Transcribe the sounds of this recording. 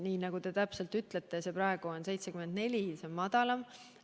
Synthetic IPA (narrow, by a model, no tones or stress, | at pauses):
niːnɑɡ̥ut̪e̞t̪æpse̞lt̪yt̪ˑlet̪ːese̞pɾɑe̞ɡ̥uonse̞jt̪se̞kymend̪̚ne̞lʲisemːɑd̪̥ɑlɑm